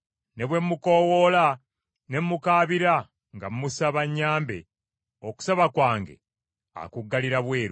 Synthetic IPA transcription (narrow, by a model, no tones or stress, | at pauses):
ne̞βwe̞mːuko̞ːwo̞la | ne̞mːukaːβiɾa | ŋɡamːusaβaɲːaːmbḛ | oku̥saβakwaːŋɡe̞̰ | a̰kuɡːaliɾaβweːɾu